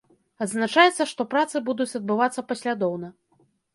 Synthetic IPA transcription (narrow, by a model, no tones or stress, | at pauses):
ɐd̪znat͡ʂajɛt̪sːɐʂt̪ɔpɾat̪sɨbud̪ut͡sʲɐd̪̚bɨvat̪sːɐpasʲlʲad̪ɔwnɐ